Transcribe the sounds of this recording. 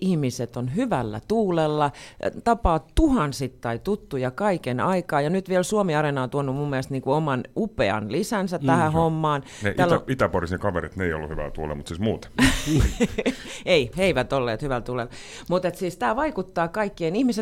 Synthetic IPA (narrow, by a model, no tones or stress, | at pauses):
ʔihmiset̪onhyʋælːæ̰t̪uːlelːɑt̪ɑpɑːtt̪uhɑnsit̪ːɑit̪ut̪ːujɑkɑikenɑikɑːjɑnyt̪ʋielsuomiɑrenɑont̪uonːummumːiælst̪niːŋkuomɑnupeɑ̰nlisænsæt̪æhæhomːɑːn | neʔ̪ælit̪æporisnekɑʋeɾit̪neijo̰lːuhyʋæ̰lt̪uːlḛmut̪siːsmuːt̪ | eiheiʋæt̪olːḛːt̪hyʋælt̪uːlel | mut̪et̪siːst̪æʋɑikut̪ːɑːkɑikːeinihmise